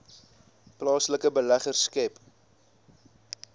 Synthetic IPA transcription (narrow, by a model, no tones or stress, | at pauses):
plɑːsləkəbəlæχərskep